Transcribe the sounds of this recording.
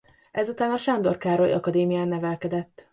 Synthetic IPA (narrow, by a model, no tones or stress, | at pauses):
ʔɛzut̪aːnɒʃand̪o̞rkaːɾo̞jʔɒ̰kɒd̪eːmijaːnːɛvɛlkɛd̪ɛt̪ː